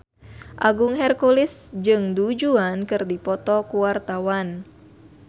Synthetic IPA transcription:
ʔaɡuŋɦɛrkulisd͡ʒɨŋdud͡ʒuankɨrdipɔt̪ɔkuwart̪awan

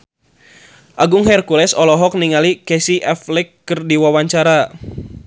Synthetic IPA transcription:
ʔaɡʊŋɦɛrkulɛsɔlɔɦɔk̚niŋalikɛsiʔɛflɛkːɨrdiwawaɲt͡ʃaɾa

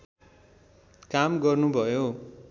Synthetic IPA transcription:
kamɡʌrnubʱʌjo

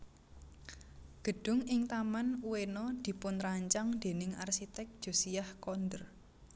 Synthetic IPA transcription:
ɡ̥ə̤ɖ̥ʊ̤ŋɪŋt̪amanuwenɔd̪̥i̤pʊnɾaɲt͡ʃaŋd̪̥e̤nɪŋarsit̪ɛk̚d̥ʒ̥o̤sijahkɔnd̪ər

